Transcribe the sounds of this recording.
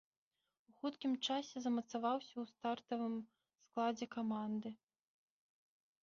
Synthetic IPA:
uxut̪kʲimt͡ʂasʲɛzɐmɐt̪savawsʲɐwst̪art̪ɐvɨm | sklˠad͡zʲɛkamand̪ɨ

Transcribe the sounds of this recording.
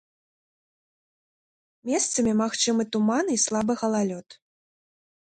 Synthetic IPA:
mʲɛst̪sɐmʲimaxt͡ʂɨmɨt̪umanislˠabɨɣɐlˠalʲɔt̪

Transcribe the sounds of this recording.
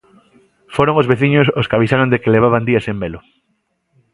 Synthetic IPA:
foɾoŋozβeθiɲososkaβ̞isaɾond̪ekeleβ̞aβand̪iasembelʊ

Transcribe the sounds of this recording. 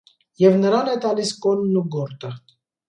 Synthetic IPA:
jɛvnəɾɑnɛt̪ɑliskɔnːuɡɔɾt̪ʼə

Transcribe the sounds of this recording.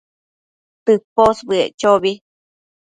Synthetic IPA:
t̪ɨposbɨeʔt͡ʃoβi

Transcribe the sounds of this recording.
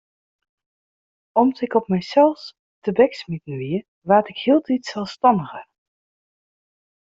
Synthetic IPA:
ɔmdtɪkɔpmɛjsɛlˠs | təbɛksmitnʋiə | ʋaːtɪkhiːlˠditsɛlˠfstɑndəχər

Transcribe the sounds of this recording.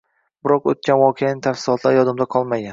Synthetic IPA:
bɪɾɒqo̰t̪̚kʲʰanvɒqʰejanɪt̪ʰafsɪlˠɒt̪ʰlaɾjɒd̪ɪmd̪aqʰɒlˠmaɡʲan

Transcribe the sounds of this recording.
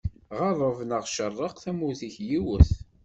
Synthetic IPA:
ʁɑðˤəvnəʁʃərˤːəqθæmuziçjiwəθ

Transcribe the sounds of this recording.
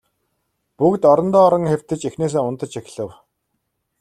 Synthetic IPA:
pukt̪ɔɾɞ̆nt̪ɔːɾə̆ŋxew̥ʲt̪ɘ̆t͡ɕexneːs̬eːʊnt̪ə̆t͡ɕʰex̆ɮɘ̆w

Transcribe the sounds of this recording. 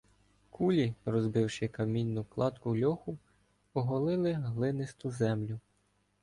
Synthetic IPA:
kʰulʲirɔzbɪwʃɪkɐmʲinʲːʊklˠɑt̪kʊlʲɔxʊ | ɔɦɔlˠɪlˠɪɦlˠɪnɪst̪ʊzɛmlʲʊ

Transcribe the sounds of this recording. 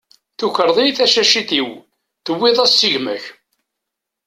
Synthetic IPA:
θukəɾˤðˤijθæʃæʃiθiw | θəwːɪðˤæsːiʝmæ̰ç

